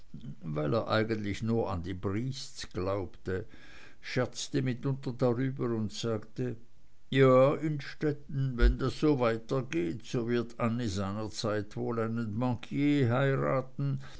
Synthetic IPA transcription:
vaɪleːɐʔa̰ɪɡəntlɪçnuːɐa̰ndiːbʁiːst͡sɡ̥laʊptə | ʃɛɐt͡stəmɪtʊntɐdaʁyːbəʊntz̥aːktə | jaːɪnʃtɛtn̩vɛndasz̥oːvaɪtɐɡeːtz̥oːvɪɐtʰʔanːizaɪnɐt͡saɪtv̥oːlaɪnənbɑ̃kʰjeːɦaɪʁa̰ːtn̩

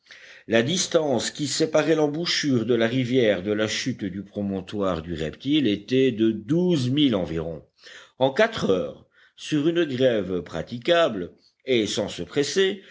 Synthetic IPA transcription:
lad̪ist̪ɑ̃skʲisepaʁɛlɑ̃buʃyʁd̪əlaʁivjɛʁd̪əlaʃyt̪d̪ypχɔmɔ̃t̪waʁd̪yʁɛ̰pt̪ilet̪ɛd̪əd̪uzmilɑ̃viʁɔ̰̃ | ɑ̃kat̪χœːʁ | syʁynɡʁɛvpχa̰t̪ikabl | esɑ̃səpχɛse

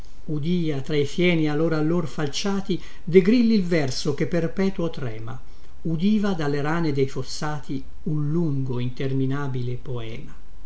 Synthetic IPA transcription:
ud̪iːat̪ɾaijfjɛːnialːoɾalːorfalt͡ʃaːt̪i | d̪eɡɾilːilvɛrsokepːerpɛːt̪uot̪ɾɛːma̰ | ud̪iːvad̪alːeɾaːned̪ɛjfosːaːt̪ʰi | unluŋɡoint̪erminaːbilepoɛ̰ːma

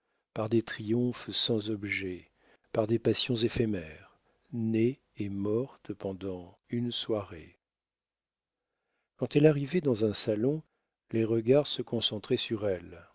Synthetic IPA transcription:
paʁd̪et̪χijɔ̃fsɑ̃zɔbʒɛ | paʁd̪epasjɔ̃zefɛmɛʁ | neː | mɔʁt̪pɑ̃d̪ɑ̃ | ynswaʁe | kɑ̃t̪ɛlaʁivɛd̪ɑ̃zɛ̃salɔ̃ | leʁəɡaʁsəkɔ̃sɑ̃t̪χɛsyʁɛl

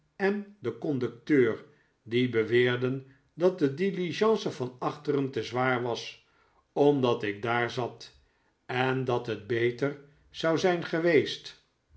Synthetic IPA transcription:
ɛndəkɔndɵk̚tøːr | dibəʋɪːɹdən | dɑt̚dədiliʒɑ̃nsəvɑnɑχtərəntəzʋaːɹʋɑs | ɔmdɑtɪɡ̚daːɹzɑt | ɛndɑtɦəd̚bejtər | z̥ɑwzɛjnχəʋejst

